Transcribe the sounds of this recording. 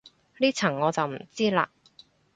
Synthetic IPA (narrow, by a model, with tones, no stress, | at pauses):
liː˥t͡sʰɐ˨˩ŋːɔː˨˧t͡sɐ˨wm̩˨˩t͡siː˥la̰ː˧